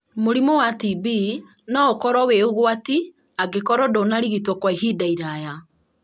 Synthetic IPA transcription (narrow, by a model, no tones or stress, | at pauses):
moɾimɔwatibi | naokɔɾɔweoɣwati | aɡekɔɾɔdonaɾiɣitwɔkwaiɦidaiɾaja